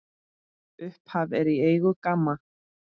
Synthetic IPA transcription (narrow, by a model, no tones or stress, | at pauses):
ʏhphavɛɾieːjɣʏkamːa